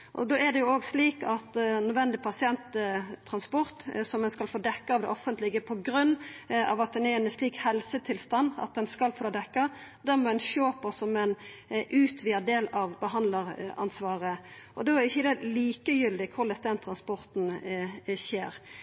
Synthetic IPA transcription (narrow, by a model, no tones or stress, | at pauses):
ʔɔ̰d̪oːɛd̪ɛjʊoːɡsliːkɑt̪nœd̪ʋɛnd̪ɪpʰɑsɪɛnt̪ʰːɾɑnspɔɾt̪sɔmɛnskɑlfoːd̪ɛkːɑɑʋd̪ɛ̰ʔɔfːənt̪lɪɡəpʰɔɡɾʉnːɑ̰ːʋɑt̪̚d̪ɛnɛɾɛnsliːkhɛlsət̪ʰɪlst̪ɑnːɑ̰t̪̚ɛnskɑlfoːlod̪ɛkːɑd̪ɛnmɔɛnʃøːpəsɔmɛn | ʔʉːt̪ʰʋiːəd̪eːlɑʋbəɦɑnd̪ləʁɑ̰nsʋɑːʁə | ʔɔd̪oːæɾɪçːəd̪ɛliːkəjʏld̪ɪkʰʊɾlɛsd̪ɛnt̪ʰɾɑnspɔɾt̪n̩ | ɕeːɾ